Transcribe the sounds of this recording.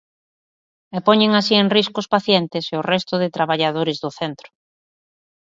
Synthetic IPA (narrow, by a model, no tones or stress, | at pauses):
epɔɲeŋasieŋriskʊspaθjent̪ɪseʊrɛst̪ʊðɪt̪ɾaβaʎaðoɾɪzðʊθɛnt̪ɾʊ̥